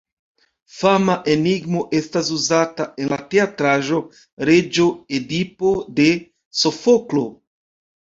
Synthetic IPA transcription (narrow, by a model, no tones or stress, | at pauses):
famaʔe̞niɡmo̞ʔe̞stas̬uzatae̞nlate̞atɾaʒo̞ | ɾe̞d͡ʒo̞edipo̞de̞ | so̞foklo̞